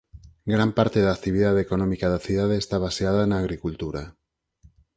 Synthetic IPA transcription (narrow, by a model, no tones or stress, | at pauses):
ɡɾampaɾt̪eðak̚t̪iβiðaðekonõmikaðaθiðaðeːst̪aβ̞aseaðaenaɣ̞ɾikult̪uɾa